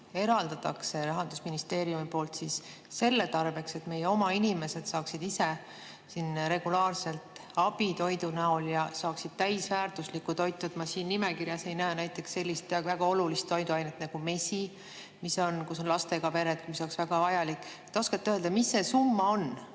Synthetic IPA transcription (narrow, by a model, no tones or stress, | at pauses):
e̞ɾɑld̪ɑt̪ːɑkse̞ɾɑɦɑnd̪̥usminist̪e̞ːɾijumipo̞ːlt̪sis | se̞lːe̞t̪ɑrve̞kse̞t̪me̞jeo̞mɑinime̞se̞d̪̥sɑːksid̪ise | sinɾe̞ɡ̥ulɑːrse̞lt̪ɑb̥it̪o̞jd̪unæo̞ljɑsɑːksid̪̥̚t̪æjsvæːrt̪uslikːut̪o̞jt̪ːud̪mɑsiːnːime̞kirjɑse̞jnæenæjt̪ːˑe̞ksːe̞lʲːist̪væɡ̥ɑo̞lulist̪ːo̞jd̪uɑjnet̪ːnɑɡ̥ume̞si | miso̞nkuso̞nlɑst̪e̞ɡ̥ɑpe̞ɾet̪kmisoleksvæɡ̥ɑvɑjɑlikːˑ | t̪ːˑo̞skɑt̪ːøːld̪̥ɑmisːe̞sumːɑo̞n